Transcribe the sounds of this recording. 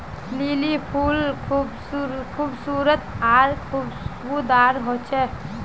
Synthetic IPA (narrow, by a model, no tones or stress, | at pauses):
liːlipʰuːlkʰub | kʰuːbsuːɾət̪aːɾkʰubbud̪aːɾɦot͡ʃʰɛ